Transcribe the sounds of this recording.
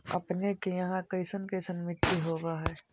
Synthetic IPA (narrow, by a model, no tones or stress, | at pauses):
ɐ̰pnekejɐɦãkɐɪsənkɐɪsənmɪt̪iɦoːɡaɦɛː